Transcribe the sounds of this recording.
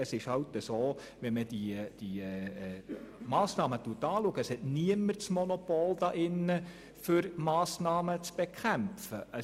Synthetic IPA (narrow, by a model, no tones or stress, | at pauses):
əsɪʃhɑltəsoː | ʋɛməd̥id̥i | mɑːsnɑːmətuətːɑːluəɡəshɛtniəmərt͡smɔnɔpoːld̥̪ɑʔɪnːə | fʏɾmɑːsnɑːmət͡sb̥ekʰχæmfəə